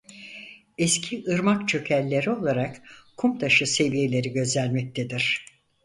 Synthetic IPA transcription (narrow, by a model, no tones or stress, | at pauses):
ɛscʰiʔɯɾmakt͡ʃʰø̞cʰælʲːe̞ɾio̞lˠaɾakkʰumt̪ʰaʃɯse̞vije̞lʲe̞ɾiɟø̞zlʲænmɛc̚t̪ʰed̪iɾ̥